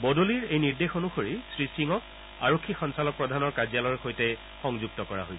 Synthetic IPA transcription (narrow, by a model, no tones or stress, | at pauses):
bɔdoliɹejniɹdexonuxoɹisɹisiŋɔk̚ | aɹokʰːixɔnsalɔk̚pɹɔdʱanɔɹkazjalɔɹxojtɛ | xɔŋzuɡ̚tɔkɔɹa̰ɦojsɛ